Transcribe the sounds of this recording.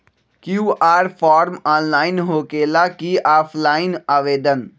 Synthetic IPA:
kjuːʔaːɾfʰaːɾmaːnlaːɪnɦoːkeːlakiːaːpʰlaːɪnaʋeːd̪ən

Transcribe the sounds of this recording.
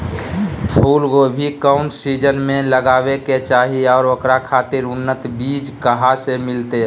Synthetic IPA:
pʰulɡobʱikaʊɳʈsid͡ʒənmẽləɡaʋeket͡ʃaːɦiɔːɾokɾakʰat̪ɪɾʊnːət̪bid͡ʒkəɦasemɪlt̪e

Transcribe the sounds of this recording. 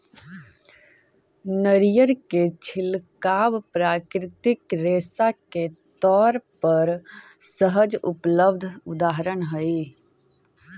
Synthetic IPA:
nəɾijəɾket͡ʃʰɪlkaːbpɾaːkɾɪt̪ɪkɾeːsaket̪ɔːɾpəɾsəɦəd͡ʒʊ̰pləbd̪ʱʊd̪aːɦəɾənɦəi

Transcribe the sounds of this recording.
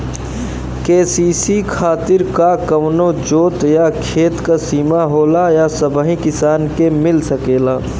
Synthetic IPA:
keːsiːsikʰaːt̪ɪɾkakɐʋnõd͡ʒoːt̪jakʰeːt̪kasiːmaɦoːlajasɐbəɦĩkɪsaːnkemɪlsɐkeːlaː

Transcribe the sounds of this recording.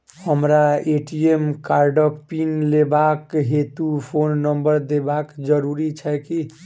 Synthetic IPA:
həmɾaeʈiemkaɾɖəpinlebakɦet̪upʰonːəmbəɾd̪ebakd͡ʒəɾuɾit͡ʃʰajki

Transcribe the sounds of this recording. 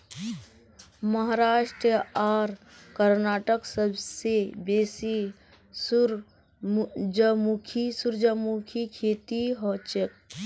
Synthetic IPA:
məɦaɾaːʃʈɾəaːɾ | kəɾnaːʈəksəbʱsebesi | suɾ | d͡ʒəmukʰisuɾd͡ʒəmukʰikʰeːt̪iɦɔt͡ʃək̚

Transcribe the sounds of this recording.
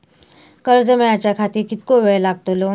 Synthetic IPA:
kəɾd͡zəmeat͡ɕjakʰat̪iːɾkit̪koʋejlaɡ̚t̪olo

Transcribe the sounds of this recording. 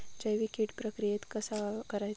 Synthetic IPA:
d͡ʑajʋikiʈpɾəkɾijet̪kəsakəɾaj

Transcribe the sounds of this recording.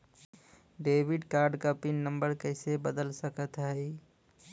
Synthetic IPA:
ɖebiɖkaɾɖkəpinːəmbəɾkəɪsebəd̪əlsəkət̪ɦəɪ

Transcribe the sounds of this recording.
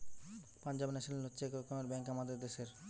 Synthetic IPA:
pand͡ʑabnɛʃnelotːɕʰekokomeɾbɛŋkamad̪eɾd̪eʃeɾ

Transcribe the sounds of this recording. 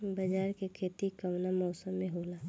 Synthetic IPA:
bəd͡ʒaːɾkekʰeːt̪ikəʋnamɔːsəmːẽɦoːlaː

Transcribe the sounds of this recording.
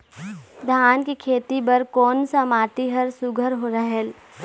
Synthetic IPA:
d̪ʱaːnkikʰeːt̪ibɐɾkɔːnsamaːt̪iɦɐɾsʊɡʱəɾɦoɾɐɦɛl

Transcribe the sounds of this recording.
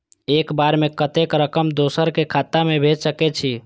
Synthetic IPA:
ekbaɾmekət̪ekɾəkəmd̪osəɾkekʰat̪amebʱed͡ʒsəkɛt͡ʃʰi

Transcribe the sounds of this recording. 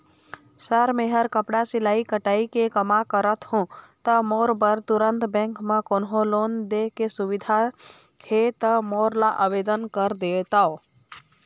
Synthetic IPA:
səɾmeɦəɾkəpɽasilaikəʈaikekəmakəɾət̪ɦũt̪əmoːɾbəɾt̪uɾənt̪bɛ̃ŋkmekonɦolond̪ekesuʋid̪ʱa | het̪əmoɾlaʔəbed̪ənkəɾd̪et̪ao

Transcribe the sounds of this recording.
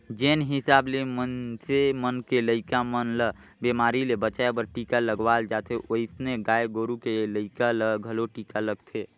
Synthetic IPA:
d͡ʒeːnɦɪsaːblemənsemənkeləɪkamənlə | bemaːɾilebət͡ʃaebəɾʈikaləɡʋald͡ʒat̪ʰeʔoɪsneɡaːeɡoːɾukeləɪkaləɡʱəloʈiːkaləɡt̪ʰe

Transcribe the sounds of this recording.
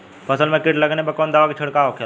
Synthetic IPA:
pʰɐsəlmẽkɪʈlɐɡnebɐkɔːnd̪aːʋakit͡ʃʰəɽkaokʰel

